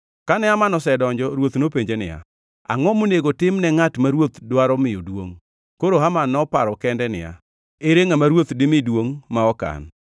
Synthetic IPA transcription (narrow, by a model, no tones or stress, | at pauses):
kanɛamanɔsɛdɔɲd͡ʒɔɾwot̪nopeɲd͡ʒenɪ̰ja̰ | a̰ŋɔmoneɡotɪmnɛŋatmaɾwot̪dwaɾɔmɪjodwoŋ | koɾoɦamanːɔpaɾɔkɛndɛnɪ̰ja̰ | eɾeŋamaɾwot̪dɪmɪdwoŋmaɔka̰n